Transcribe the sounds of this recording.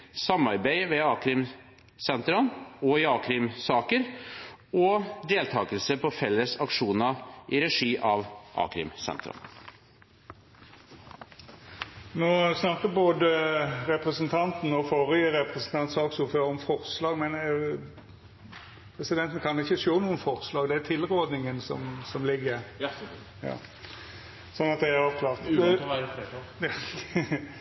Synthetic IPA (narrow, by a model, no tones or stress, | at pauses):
sɑmːɑɾbæɪʋɛɑːkɾɪm | sɛnt̪ɾɑnɔɪɑːkɾɪmsɑːkəɾ | ɔd̪eːlt̪ʰɑːɡəlsəpʰɔfɛlːəsɑkʂuːnɑʔɪɾɛʂiːʔɑʋʔɑ̰ːkɾɪ̰msɛ̰nt̪ɾɑ̰n | noːsnɑkːəboːd̪əɾɛpɾəsənt̪ʰɑnt̪n̩ɔfɔʁəjəɾɛpɾɛsn̩t̪ʰɑnt̪sɑːksʊføːɾɔmfɔʁslɑːɡmɛn | pʰɾɛsɪd̪ɛnt̪ən̩kʰɑnɪçːəʃoːnuːənfɔʁslɑːɡd̪ɛæt̪ʰɪlɾoːd̪nɪŋənsɔ̰msɔmlɪɡːəɾ | jɑ̰ː | sɔnːɑt̪̚d̪ɛæɾɔʋkʰlɑːʁt̪ː